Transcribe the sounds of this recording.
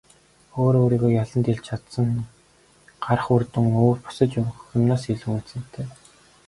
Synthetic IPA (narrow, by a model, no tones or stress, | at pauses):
oːɾoːɾiːɣoːjaɮə̆nt̪iɮt͡ɕt͡ɕʰat̪sə̆ŋ | ɢ̥aɾə̆χurt̪ɵ̆ŋoːrpʊ̥sə̆t͡ɕxɵmnaːsiɮŭːun̥sɘ̆n̥t̪ʰeː